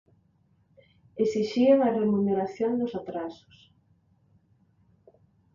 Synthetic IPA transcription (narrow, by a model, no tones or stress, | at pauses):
esiʃiaŋɐremuneɾaθjond̪ʊsat̪ɾasʊ̥s